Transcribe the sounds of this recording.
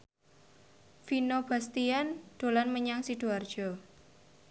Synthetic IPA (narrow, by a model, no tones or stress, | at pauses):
finob̥a̤st̪iand̪̥o̤lanməɲaŋsiɖ̪̥o̤ard̥ʒ̥ɔ̤